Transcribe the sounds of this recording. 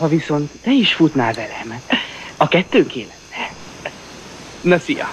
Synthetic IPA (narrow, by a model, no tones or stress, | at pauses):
hɒviso̞nt̪ːɛiʃfut̪naːlvɛlɛmɒkɛt̪ːøːŋkeːlɛt̪ːɛ | nɒfijɒ̰